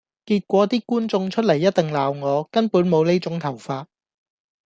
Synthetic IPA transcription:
kiː˧t̚kʷɔː˨˥t̪iː˥kuː˥nt͡sʊ˧ŋt͡ʃʰɵ˥t̚lɐ˨˩jːɐ˥t̚t̪ɪ˨ŋlaː˨wŋɔː˨˧kɐ˥npuː˨˥nmo˨˧wne˥jt͡sʊ˨˥ŋt̪ʰɐ˨˩wfaː˧t̚

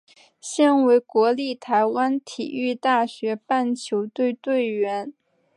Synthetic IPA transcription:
ɕjɛ˥˩nwe˧˥ɪkwɔ˧˥li˥˩t̪ʰa˧˥ɪwa˥nt̪ʰḭ˨˩y˥˧t̪a˥˩ɕɥɛ˧˥pa˥˩nt͡ɕʰjo˧˥ʊt̪we˥˧ɪt̪we˥˩ɪɥɛ˧˥n

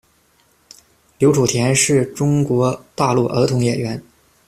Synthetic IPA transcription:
ljo˧˥ʊʈ͡ʂʰu˨˩t̪ʰjɛ˧˥nʂɻ̩˥˩ʈ͡ʂʊ˥ŋkwɔ˧˥t̪a˥˧lu˥˩ʔə̰˧˥t̪ʰʊ˧˥ŋjɛ˨˩ɥɛ˧˥n

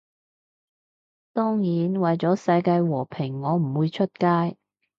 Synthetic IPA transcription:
t̪ɔː˥ŋjiː˨˥nwɐ˨jt͡sɔː˨˥sɐ˧jkaː˧jwɔː˨˩pʰɪ˨˩ŋːɔː˨˧m̩˨˩wuː˨˧jt͡ʃʰɵ˥t̚kaː˥j

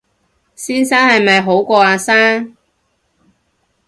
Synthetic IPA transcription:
siː˥nsaː˥nhɐ˨jmɐ˨jɦo˨˥wkʷɔː˧aː˧saː˥ŋ

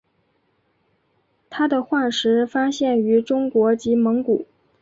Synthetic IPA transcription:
t̪ʰa˥d̪ə˨xwa˥˩ʂɻ̩˧˥fa˥ɕjɛ˥˩ny˧˥ʈ͡ʂʊ˥ŋkwɔ˧˥t͡ɕi˧˥mɤ˧˥ŋku˨˩˦

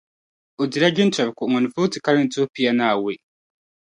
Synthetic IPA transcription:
o˨ɟi˨ɾa˦ɟe˦nta˨βi˨ko˨ŋo˨ni˨fu˦ti˨ka˦li˦nto˦pi˦ja˦naː˨we˦

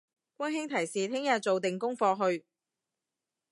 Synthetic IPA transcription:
kʷɐ˥nɦɪ˥ŋt̪ʰɐ˨˩jsiː˨t̪ʰɪ˥ŋjɐ˧t͡so˨wt̪ɪ˨ŋkʊ˥ŋfɔː˧ɦɵ˧ɥ

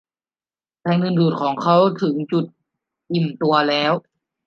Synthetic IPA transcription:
pʰɛː˧˩ŋnɯ˧˩nduː˨˩t̪̚kʰɔː˩˦ŋkʰa˦˥wt̪ʰɯ˩˦ŋt͡ɕu˨˩t̪̚ | ʔi˨˩mt̪u˧ɐlɛː˦˥w

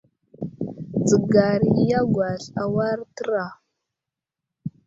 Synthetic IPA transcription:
d͡zə˨ɡa˨ɾja˦ɡʷa˨ɬa˨wa˦ɾtə˦ɾa˨

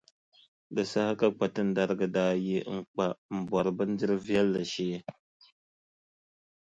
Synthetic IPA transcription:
dɨ˨sa˦ha˦ka˦k͡pa˨tɨ˦n̩˦da˦ɾɨ˦ɡɨ˦daː˦ji˦ŋ͡m̩˦k͡pa˨m̩˨bɔ˨ɾɨ˨bɨ˦n˦dɨ˦ɾɨ˦vi˦ɛ˦lːa˨ʃeː˦

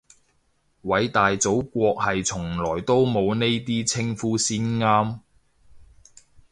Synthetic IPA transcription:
wɐ˨˧˥jt̪aː˨jt͡so˨˥wkʷɔː˧k̚hɐ˨jt͡sʰʊ˨˩ŋlɔː˨˩jt̪o˥wmo˨˧wne˥jt̪iː˥t͡sʰɪ˥ŋfuː˥siː˥nŋaː˥m

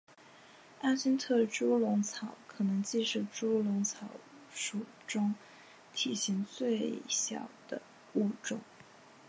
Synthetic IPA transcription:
a˥ɕi˥nt̪ʰɤ˥˩ʈ͡ʂu˥lʊ˧˥ŋt͡sʰɑ˨˩˥ʊkʰɤ˨˩nɤ˧˥ŋt͡ɕi˥˧ʂ̩˥˩ʈ͡ʂu˥lʊ˧˥ŋt͡sʰɑ˨˩ʊ | ʂu˨˩ | ʈ͡ʂʊ˥ŋ | t̪ʰi˨˩ɕi˧˥ŋt͡swe˥˩ɪɕjɑ˨˩ʊd̪̥ə˦ | u˥˧ʈ͡ʂʊ˥˩ŋ

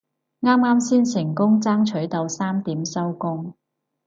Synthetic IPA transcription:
ŋaː˥mːaː˥msiː˥nsɪ˨˩ŋkʊ˥ŋt͡saː˥ŋt͡ʃʰɵ˨˥ɥt̪ɐ˨˧wsaː˥mt̪iː˨˥msɐ˥wkʊ˥ŋ

